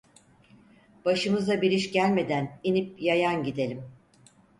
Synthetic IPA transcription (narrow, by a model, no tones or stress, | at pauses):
b̥aʃɯmɯzabiɾiʃɟælʲme̞d̪æninip̚jajanɟid̪e̞lʲim